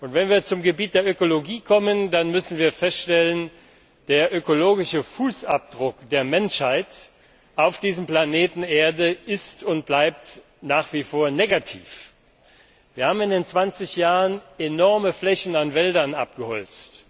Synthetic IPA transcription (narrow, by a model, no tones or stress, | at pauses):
ʔʊntv̥ɛnviːɐt͡sʊmɡəbiːt̚d̥eːɐʔøkoloɡiːkʰɔməndanmʏsn̩viːɐfɛstʃtɛlən | d̥eːɐʔøkoloːɡɪʃəfuːsap̚d̥ʁʊkd̥eːɐmɛnʃhaɪt | ʔaʊfd̥iːzəmpl̥aneːtn̩eːɐdəɪstʊntb̥laɪp̚t | naːχv̥iːfoːɐneːɡatʰḭːf | v̥iːɐhaːbmɪndeːnt͡sv̥ant͡sɪçjaːʁənenɔɐməflɛçn̩anvɛldɐnʔa̰p̚ɡ̥əhɔ̰lt͡st